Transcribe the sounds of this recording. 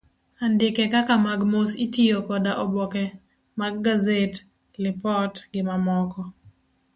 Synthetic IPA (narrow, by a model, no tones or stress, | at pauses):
andɪkɛkakamaɡmositijokɔdaʔɔbɔkɛ | maɡːazet | lɪpɔtɡɪmamɔkɔ